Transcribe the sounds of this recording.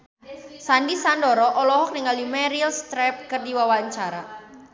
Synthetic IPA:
sandisandɔɾɔʔɔlɔɦɔk̚niŋaljumɛɾilst̪ɾɛp̚kərdiwawaəɲt͡ʃaɾa

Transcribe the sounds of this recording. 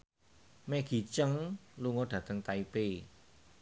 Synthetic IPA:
meɡ̥i̤t͡ʃəŋluŋoɖ̥ä̤t̪əŋt̪aipe

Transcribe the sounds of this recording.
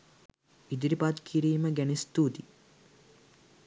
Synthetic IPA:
id̪iɾipat̪kʰiɾiːməɡænist̪ut̪i

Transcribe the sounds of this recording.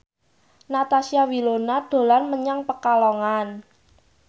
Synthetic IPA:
nat̪asiawilonad̪̥o̤lanməɲaŋpəkalɔŋan

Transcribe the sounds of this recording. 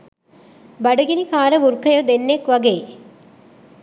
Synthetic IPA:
bɐɖuɡinikaːɾɐʋuɾkɐjod̪enːekʋɐɡeː

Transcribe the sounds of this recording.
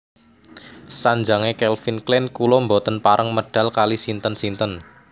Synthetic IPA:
saɲd͡ʒaŋekɛlfinklɛnkulɔmbot̪ənpaɾʔəŋməɖ̥a̤lkalisint̪ənsint̪ən

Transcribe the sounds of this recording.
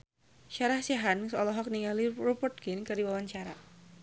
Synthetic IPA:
ʃaɾahsaɦansɔlɔɦɔk̚niŋalirɔpərt̪̚kinkɨrdiwawaɲt͡ʃaɾa̰

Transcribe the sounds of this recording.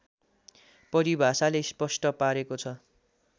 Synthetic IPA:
pʌɾibʱasalespʌsʈʌpaɾekot͡sʰʌ

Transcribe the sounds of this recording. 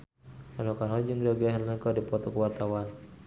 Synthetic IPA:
anɔkanɔd͡ʒɨŋɡɾaɡaɦanləkadipɔt̪ɔkəwart̪awan

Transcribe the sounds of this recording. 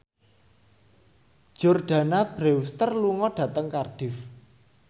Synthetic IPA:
ʒ̥orɖ̥a̤nab̥ɾewst̪ərluŋɔɖ̥ä̤t̪əŋkarɖ̥ɪf

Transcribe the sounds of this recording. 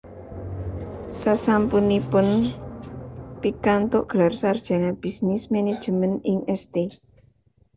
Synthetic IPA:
sasampunipʊn | pikant̪oʔɡ̥əlarsard̥ʒ̥a̤nab̥isnɪsmened̥ʒ̥əmənɪŋɛst̪e

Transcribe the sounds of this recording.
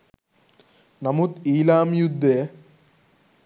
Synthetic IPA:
nɐmut̪iːlaːmjud̪ʱːeː

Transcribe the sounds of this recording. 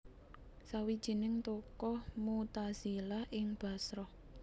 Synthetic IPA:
sawid̥ʒ̥i̤nɪŋt̪okɔhmut̪az̥ilahʔɪŋb̥a̤sɾɔh

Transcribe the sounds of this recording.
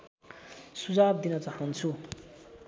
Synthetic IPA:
sud͡zab̚d̪inʌt͡saɦʌnt͡sʰu

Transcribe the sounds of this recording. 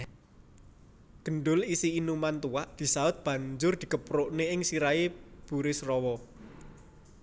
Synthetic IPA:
ɡ̥ə̤nɖʊlisiːnumant̪uwaʔd̪̥i̤saʊt̪̚b̥ä̤ɲd͡ʒʊrd̪̥i̤kəpɾʊʔneɪŋsiɾaeb̥ṳɾɪsrɔwɔ

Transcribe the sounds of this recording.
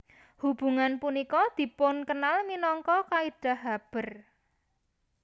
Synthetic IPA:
hub̥ṳŋanpunikɔd̪̥i̤pʊnkənalminɔŋkɔkaid̥a̤ɦab̥ə̤r

